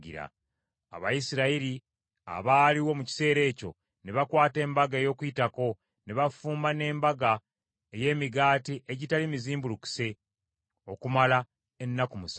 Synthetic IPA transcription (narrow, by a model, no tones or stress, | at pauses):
ɡḭɾa̰ | a̰βa̰jisiɾaiɾi | a̰βaːliwo̞muci̥se̞ːɾe̞ːco̞̰ | ne̞βakwaːte̞ːmbaɡaejo̞ːkujitako̞ | ne̞βafuːmbane̞ːmbaɡa | eje̞ːmiɡaːtiʔeɟitalimiziːmbuluku̥se̞ | okumala | e̞nːakumus